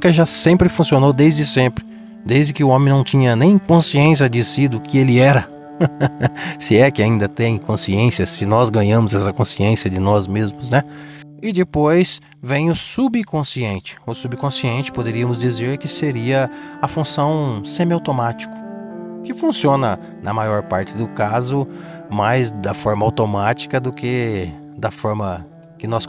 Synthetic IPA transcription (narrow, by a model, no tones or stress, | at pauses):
kɪʒasẽmpɾɪfũsionowd̪ejzd̪ɪsẽmpɾɪ | d̪ejzd͡ʒ̪ɪkɪʊõmẽnɐ̃w̃t͡ʃ̪ĩɲɐnẽj̃kõsiẽs̬jɐd͡ʒɪsid̪ʊkɪelɪɛɾɐ | sɪɛkɪaĩnd̪ɐt̪ẽj̃kõsiẽsjɐsɪnɔzɡɐ̃ɲɐ̃mʊzɛsɐkõsiẽsjɐd̪ɪnɔzmezmʊznɛ | ɪd̪ɪpojs | vẽj̃ʊsubikõsiẽnt͡ʃɪ̥ʊsubikõsiẽnt͡ʃɪ̥pod̪eɾiɐmʊzd͡ʒizeɾkɪseɾiɐɐfũsɐ̃w̃sẽmɪawt̪omat͡ʃi̥kʊ̥ | kɪfũsiõnɐ | nʔɐmajɔɾpaɾt͡ʃɪd̪ʊkazʊ | majzd̪ɐfɔɾmɐawt̪omat͡ʃi̥kɐd̪ʊkɪ | d̪ɐfɔɾmɐ | kɪnɔs